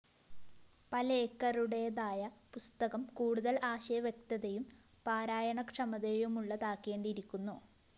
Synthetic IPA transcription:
pɐlɐekːɐruɽe̞jðaːjɐpust̪ɐɣɐmkuːɽuðɐlaːɕɐjɐʋjek̚t̪ɐðejum | paːɾaːjɐɳɐkʂɐmɐðejumuɭːɐt̪aːkːe̞ːɳɖiɾikʲːunːu

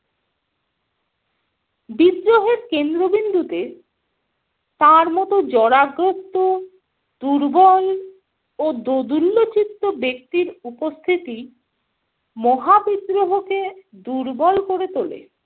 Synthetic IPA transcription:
bid̪ɾoɦeɾkend̪ɾobind̪ut̪e | t̪aɾmɔt̪od͡ʑɔɾaɡɾot̪ːo | d̪̥uɾbɔl | od̪od̪ulːot͡ɕit̪ːobek̚t̪iɾupost̪ʰit̪i | mɔɦabid̪ɾoɦoked̪uɾbɔlkoɾet̪olḛ

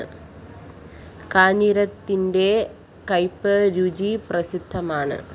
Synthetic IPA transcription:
ɨ | kaːɲiɾɐt̪ːinde̞ | kɐjpːɨɾud͡ʑiprɐsid̪ʱːɐmaːɳɨ̰

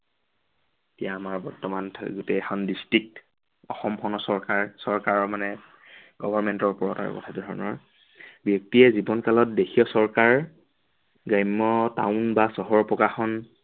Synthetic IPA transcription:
etijaːmaɹbɔɹtɔmantʰɡutɛxʰɔndistɹik̚t | ɔxɔmpʰɔnɔsɔɹkaɹsɔɹkaɹɔɹmanɛ | ɡɔbʱɔɹmɛntɔɹpɔɹɔta̰ɹɔ̰kɔ̰tʰatudʱɔɹɔnɔɹ | bjɔk̚tiɛzibɔnkalɔt̚dexʰiɔsɔɹkaɹ | ɡajmːɔta̰ʊnbasɔɦɔɹpɔkaxɔn

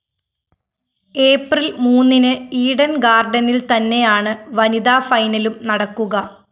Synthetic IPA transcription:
e̞ːprilmuːnːinɨiːɽɐnɡaːrɖɐnilt̪ɐnːe̞jaːɳɨʋɐnid̪aːfɐjnɐlumnɐɽɐkːuɣɐ

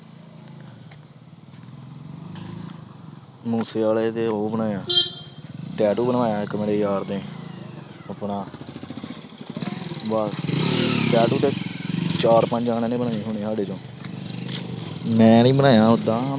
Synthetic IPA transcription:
muːseːaːleːt̪eːoːbənaːjaː | ʈɛːʈuːbənaːjaːkəmːɽeːjaːɾd̪ẽː | əpnaː | baː | ʈɛːʈuːt̪eːt͡ʃaːɾpəɲd͡ʒaːnẽːnẽːbənaːeːɦoʊːɳ̃eːsaːɖeːt̪õː | mɛ̃ːnĩːbənaːjãːɦod̪aː

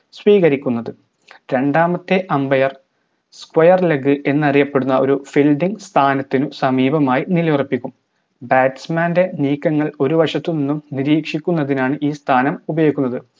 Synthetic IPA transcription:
sʋiːɣɐɾikʲːunːɐðɨ | ɾe̞ɳɖaːmɐt̪ːeʔɐmbɐjɐr | skwɐjɐrleɡɨʔe̞nːɐrijɐpːeɽunːɐʔo̞ɾufilɖiŋɡst̪ʰaːnɐt̪ːinusɐmiːbɐmaːjinilɐjurɐpːikʲːum | baːtsmaːnde̞niːkːɐŋːɐɭo̞ɾuʋɐʂɐt̪ːɨninːumniɾiːkʂikʲːunːɐðinaːɳɨʔiːst̪ʰaːnɐmubɐjoikʲːunːɐðɨ

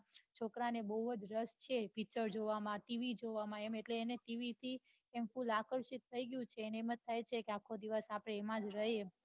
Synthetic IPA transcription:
t͡ʃʰokɾanebəɦuəd͡ʒɾəst͡ʃʰepit͡ʃəɾd͡ʒoʋamãʈiʋid͡ʒoʋamãemeʈleːneʈiʋit̪ʰi | emfulakəɾʃit̪t̪ʰəiɡəjũt͡ʃʰeːnemət̪̚t̪ʰːajt͡ʃʰekeakʰːod̪iʋəsapɽ̃eːmãd͡ʒɾəɦe

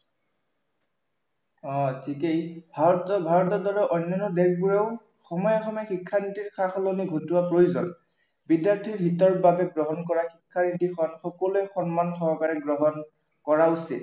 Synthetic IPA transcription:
ɔ̃tʰikejbʱatbʱaɹɔtɔdɔlɔʔɔjnːjɔnɔdɛɡbuɹeʊ | xɔmɔjɔxɔmɔɛxikʰːanitiɹxʰaxɔloniɡʱotuwapɹojuzɔ̰n | bidjaɹtʰiɹbʱitɔɹbabɛɡɹɔɦɔnkɔɹaxikʰːanitixʰɔnxɔkɔluɛxɔnmanxɔɹkaɹɛɡɹɔɦɔn | kɔɹausḭt

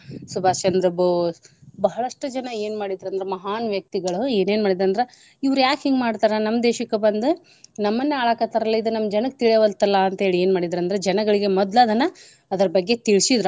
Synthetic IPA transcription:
subʱaːt͡ʃɐnd̪ɾɐb | bɐɦɐɭɐʂʈɐd͡ʒɐnɐeːnmaːɽid̪ɾɐnd̪ɾemɐɦaːnʋjɐk̚t̪iɡɐɭueːne̞ːnmaːɽid̪ɾɐnd̪ɐɾe | iʋɐɾujaːkhiŋɡmaːɽt̪aːɾɐnɐmːd̪eːʃɐkːebɐnd̪u | nɐmːɐnːeaːɭakɐt̪ɐɾɐlːɐid̪unɐmːɐd͡ʒɐnɐkːt̪iɭɛʋɐlt̪ɐlːɐːnt̪ɐɦeːɭieːnmaːɽid̪ɾɐnd̪ɾed͡ʒɐnɐɡɐɭiɡe̞mɔd̪laːd̪ɐnːɐ | ɐd̪ɐɾɐbɐɡːet̪iɭsid̪ɾ

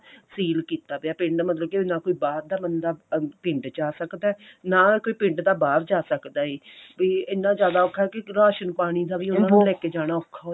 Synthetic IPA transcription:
siːlkiːt̪aːpeaːpɪ̃ɳɖmət̪ləb̚keɪnãːkoːiːbaːɾd̪aːbənd̪aːpɪ̃ɳʈd͡ʒaːsəkd̪aːnaːkoːiːpɪ̃ɳʈd̪aːbaːɾd͡ʒaːsəkd̪aːɦiːbiːɪnːãːd͡ʒjaːd̪aːokʰːaɛːkɪɾaːʃənpaːɽ̃iːd̪aːʋiːʊnãːnũlɛːkeːd͡ʒaːɽ̃aːʊkʰːaːoː

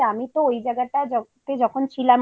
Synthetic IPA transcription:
amit̪oojd͡ʑaɡaʈad͡ʑɔt̪ed͡ʑɔkʰont͡ɕʰilam

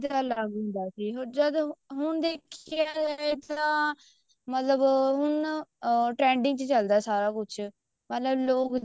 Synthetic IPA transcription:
t̪aːləɡʊ̃nd̪aːsiːɦoɾd͡ʒəd̪ɦʊɳd̪eːkʰjat̪ãː | mət̪ləbɦʊɳ | ʈɾɛ̃ːɳɖɪ̃ŋɡt͡ʃt͡ʃəld̪aːsaːɾaːkʊt͡ʃʰ | mət̪ləbloːk

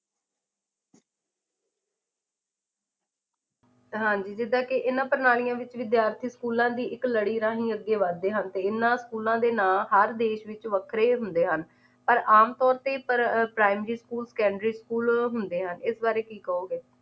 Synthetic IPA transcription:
ɦãːɲd͡ʒiːd͡ʒɪd̪ãːkɪʔɪnãːpəɾnaːlijãːʋɪt͡ʃʋɪd̪jaːɾt̪ʰiːskuːlãːd̪iːʔɪkləɽiːɾãːɦĩːəɡːeːʋəd̪eːɦənt̪eːɪnːãːskuːlãːd̪eːnaːɦəɾd̪eːʃʋɪt͡ʃʋəkʰɾeːɦʊnd̪eːɦən | pəɾaːmt̪ɔːɾt̪eːpəɾpɾaːɪmɾiːskuːlsə̥kɛ̃ːɳɖɾiːskuːlɦʊnd̪eːɦənɪsbaːɾeːkiːkəoːɡeː

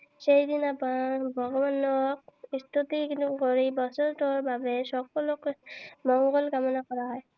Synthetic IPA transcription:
sejd̪inapabʱɔɡɔbanɔk̚ist̪ʰut̪ikinukoɹibɔsɔntɔɹbabɛsɔkɔlɔkmɔŋɡɔlkamɔnakɔɹaɦɔj

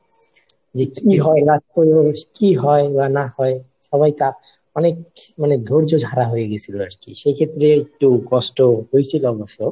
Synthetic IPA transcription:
d͡ʑekiɦɔeɾatkojokiɦɔebanahɔe | ʃɔβajt̪a | ɔnek̚maned̪ʱoɾd͡ʑod͡ʒʱaɾaɦojeɡet͡ɕʰiloaɾkḭʃekʰet̪ːɾeek̚ʈukɔsʈoɦojt͡ɕʰilɔboʃo

